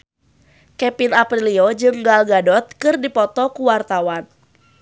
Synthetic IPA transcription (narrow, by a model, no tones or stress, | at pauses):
kɛpinapɾiliod͡ʒɨŋɡalɡadɔt̪̚kɨrdipɔt̪ɔkuwart̪awan